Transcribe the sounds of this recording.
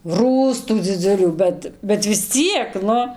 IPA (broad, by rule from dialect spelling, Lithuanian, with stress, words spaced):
ˈruːstuː d͡zʲɪˈd͡zʊlʲuː ˈbʲɛt bʲɛt ʋʲɪs ˈt͡sʲiɛk ˈnʊ